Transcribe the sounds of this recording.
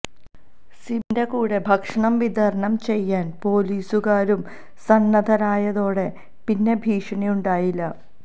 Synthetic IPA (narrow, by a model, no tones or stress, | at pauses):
simdekuːɽe̞bʱɐkʂɐɳɐmʋid̪ʱɐɾɐɳɐmt͡ɕe̞jːaːnpo̞ːliːsuɣaːɾum | sɐnːɐd̪ʱɐɾaːjɐðo̞ːɽe̞ | pinːe̞bʱiːʂɐɳijuɳɖaːjilːɐ